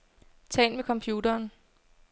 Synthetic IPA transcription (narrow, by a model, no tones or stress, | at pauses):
t͡sʰɛ̰ːnmekʰɒ̽mpʰjuːdɐːn